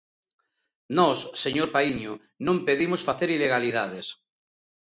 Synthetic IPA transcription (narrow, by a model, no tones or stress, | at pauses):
nɔsːeɲoɾpaiɲʊ | nõmpeðimosfaθeɾileɣ̞aliðað̞es